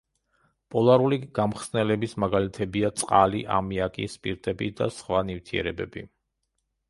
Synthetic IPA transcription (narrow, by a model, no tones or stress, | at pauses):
pʼɔlˠaɾuliɡ̥amχsnɛlɛbismaɡalit̪ʰɛbiat̪sʼqʼalḭʔa̰miakʼḭspʼiɾt̪ʼɛbid̪a̰sχwanift̪ʰiɛ̰ɾɛbɛbḭ